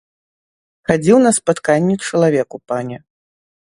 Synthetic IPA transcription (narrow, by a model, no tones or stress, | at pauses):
xad͡zʲiwnɐspat̪kanʲːɛt͡ʂɐlˠavʲɛkupanʲɛ